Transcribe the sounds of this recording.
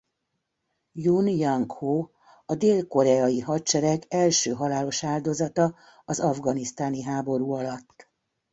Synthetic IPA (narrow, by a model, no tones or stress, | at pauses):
junjɒŋkhoː | ɒd̪eːlko̞ɾɛɒjiɦɒtt͡ʃɛɾɛɡɛlʃøːɦɒlaːlo̞ʃaːld̪o̞zɒt̪ɒ | ɒzɒvɡɒnist̪aːniɦaːbo̞ɾuːɒlɒt̪ː